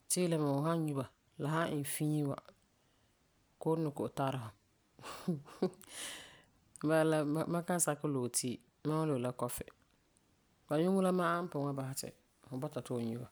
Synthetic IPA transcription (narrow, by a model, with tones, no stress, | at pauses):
tɪː˦lɪ˦ma˨ʊ˨ɦa˦ɲu˦ba˨ | la˨ɦa˦ɪ˨n˨fĩ˦ɲi˦wa̰˨ | ko˦nɪ˨ko˨ʔta˦ɾɪ˦hʊ˨ | ba˦la˦˨ma˦ka˦sa˦kɪ˦lo˨tʰiː˦˨ | ma˦ʊ˦lo˨la˦kɔ˦fɪ̰˨ | ba˨ɲu˦ŋʊ˦la˦maː˦m̩˦pʊ˨ŋa˦ba˨ha˦tɪ̰˨ | hʊ˨bɔ˦ta˨tʊ˦˨ɲu˦ba˨